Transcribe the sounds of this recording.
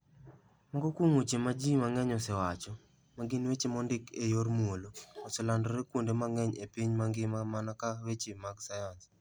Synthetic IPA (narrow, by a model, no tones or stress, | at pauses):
mɔŋɡɔkwoŋot͡ʃemad͡ʒimaŋɛɲɔsɛwat͡ʃɔ | maɡɪnwet͡ʃemɔndɪkejormwoloːsɛlandɔɾekwondemaŋɛɲepiɲmaŋɡɪmamanakawet͡ʃemaɡsajans